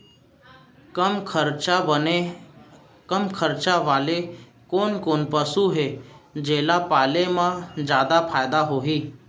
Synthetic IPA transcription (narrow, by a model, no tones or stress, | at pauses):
kmkʰəɾt͡ʃabəne | kəmkʰəɾt͡ʃaʋaːle | koːnkoːnpəsuɦed͡ʒeːlapaːlemãd͡ʒjaːd̪apʰaːjd̪aɦoɦiː